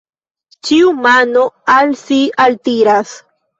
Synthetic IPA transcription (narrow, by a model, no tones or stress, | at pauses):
t͡ʃiumano̞alsialtiɾas